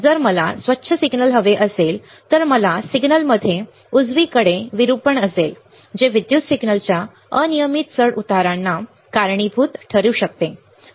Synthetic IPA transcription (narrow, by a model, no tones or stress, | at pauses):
d͡zəɾməlasʋətːɕʰəsiɡnəlɦəʋeʔəsel | t̪əɾməlasiɡnəlməd̪ʱːje | ud͡zʋiːkəɽeʋiɾupəɳəsel | d͡ʑeʋid̪jut̪siɡnəlt͡ɕja | ənijəmit̪səɽut̪aɾanːa | kaɾɳibʱuːt̪ʈʰəɾuːɕək̚t̪e